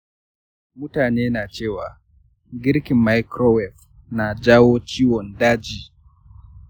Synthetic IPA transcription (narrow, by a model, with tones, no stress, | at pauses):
mʊ˦taː˨neː˦na˨t͡ʃeː˦wa˨ | ɡɪ˦ɾki˨mːa˦jkɾɔ˦wɛ˨f | na˨d͡ʒa˦wo˦t͡ʃiː˦wɔ˨ndaː˦d͡ʒiː˨